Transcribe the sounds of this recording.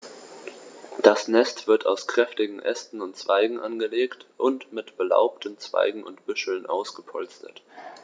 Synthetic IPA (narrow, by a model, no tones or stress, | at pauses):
d̥asnɛstv̥ɪɐtʰa̰ʊskʁ̥ɛftɪɡŋ̩ʔɛstn̩ʊntt͡sv̥aɪɡŋ̩ʔanɡəleːktʔʊntmɪtb̥əla̰ʊp̚tən̩t͡sv̥a̰ɪɡŋ̩ʊ̰ntb̥ʏʃl̩nʔaʊsɡ̥əpʰɔlt͡stʰə̰t